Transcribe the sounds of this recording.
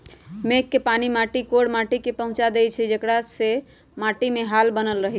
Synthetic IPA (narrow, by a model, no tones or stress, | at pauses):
mekːepanimaʈikoɽmaʈikepəɦũt͡ʃad̪et͡ʃʰɛd͡ʒekɽase | maʈimeɦalbənəlɾəɦit͡ʃʰ